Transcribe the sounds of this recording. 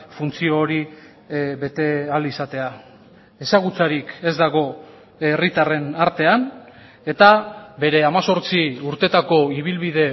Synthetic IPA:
funt͡sio̞ːɾi | βe̞t̪e̞alisat̪e̞a | e̞saɣ̞ut͡saɾike̞zd̪aɣ̞o̞ | erit̪are̞naɾt̪e̞an | e̞t̪abe̞ɾe̞amaso̞ɾt͡siuɾt̪e̞t̪ako̞iβ̞ilβiðe̞

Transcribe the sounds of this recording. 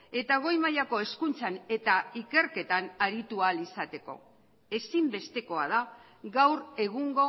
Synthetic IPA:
e̞t̪aɣ̞o̞jmajako̞e̞skunt͡sane̞t̪aike̞ɾke̞t̪anaɾit̪ualisat̪e̞ko̞̰ | e̞simbe̞st̪e̞ko̞að̞a | ɣɡawɾe̞ɣuŋɡo̞

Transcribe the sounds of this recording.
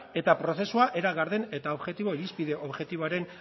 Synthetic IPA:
e̞t̪apɾo̞θe̞suaʔe̞ɾaɣaɾðe̞ne̞t̪ao̞βʝe̞t̪iβo̞iɾispiðe̞ʔo̞βʝe̞t̪iβoaɾe̞n

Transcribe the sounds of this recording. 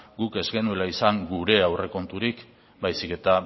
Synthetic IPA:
ɡuke̞zɣe̞nue̞laisaŋɡuɾe̞awre̞ko̞nt̪uɾik | bajsike̞t̪a

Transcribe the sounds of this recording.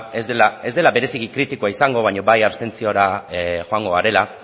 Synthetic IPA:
ezd̪elae̞zd̪e̞laβe̞ɾe̞siɣikɾit̪ikoaisaŋɡo̞β̞aɲo̞βajaβst̪e̞nt͡sio̞ɾaxo̞aŋɡo̞aɾe̞la

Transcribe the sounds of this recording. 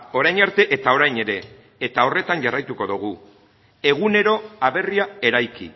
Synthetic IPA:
o̞ɾajɲaɾt̪e̞ʔet̪ao̞ɾajɲe̞ɾe̞ː | t̪ao̞re̞t̪anʝarajt̪uko̞ðuɣ̞u | e̞ɣ̞une̞ɾo̞aβe̞riae̞ɾajkḭ

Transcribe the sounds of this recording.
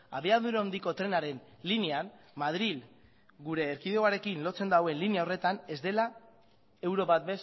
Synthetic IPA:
aβeaðuɾeond̪iko̞t̪ɾe̞naɾe̞n | lineanmað̞ɾil | ɡuɾe̞ːɾkiðeoaɾe̞kinlo̞t͡se̞nd̪awe̞nliniao̞re̞t̪ane̞zd̪e̞la | e̞wɾo̞βat̪be̞s

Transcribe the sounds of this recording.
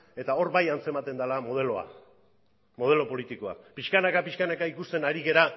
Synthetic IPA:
e̞t̪ao̞ɾbajant͡se̞mat̪e̞nd̪alamo̞ð̞e̞lo̞a̰ | mo̞ð̞e̞lo̞po̞lit̪iko̞a̰piʃkanakapiʃkanakaikust̪e̞naɾiɣe̞ɾa

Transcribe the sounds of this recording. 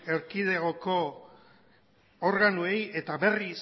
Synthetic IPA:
e̞ɾkið̞e̞ɣoko̞ | oɾɣanue̞je̞t̪aβe̞ris

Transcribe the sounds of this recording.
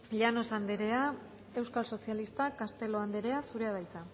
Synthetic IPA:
ʎano̞sand̪eɾe̞a | e̞wskalso̞sialist̪akast̪e̞lo̞and̪e̞ɾe̞asuɾe̞aðajt͡sa

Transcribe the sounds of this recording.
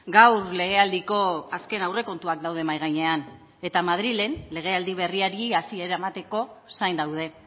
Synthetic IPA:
ɡawrle̞ɣ̞e̞ald̪iko̞aske̞nawre̞ko̞nt̪uak̚d̪awðe̞majɣajɲe̞an | e̞t̪amað̞ɾile̞nle̞ɣ̞e̞ald̪iβ̞e̞riaɾiasie̞ɾaemat̪e̞ko̞sajnd̪awð̞e̞

